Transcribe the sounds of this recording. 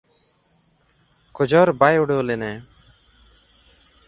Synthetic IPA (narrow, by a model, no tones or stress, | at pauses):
kɔd͡ʒɔɾbajuɽoːlenɛ